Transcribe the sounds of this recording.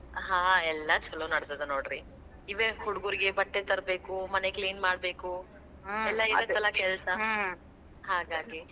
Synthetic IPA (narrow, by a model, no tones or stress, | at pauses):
ɦãːɛlːɐt͡ʃɐlonɐɽd̪ɐd̪ɐnoːɽɾi | iʋehuɽuɡuɾiɡebɐʈːet̪ɐɾbeːkumɐnekliːnmaːɽbeːku | ɛlːɐiɾot̪ɐlɐkɛlsɐ | haːɡaːɡi